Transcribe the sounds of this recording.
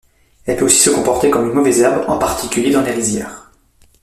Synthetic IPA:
ɛlpøosi̥səkɔ̃pɔʁt̪ekɔmynmɔvɛzɛʁbʁɑ̰̃paʁt̪ʰikʲyljed̪ɑ̃leʁizjɛːʁ

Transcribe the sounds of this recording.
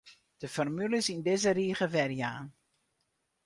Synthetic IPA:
d̥əfɔrmyləsindɪzəriːɣəʋɛrjaːn

